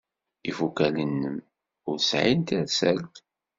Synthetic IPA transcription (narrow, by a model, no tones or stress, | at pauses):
ifukælənːəm | ʊɾsʕint̪æɾsæl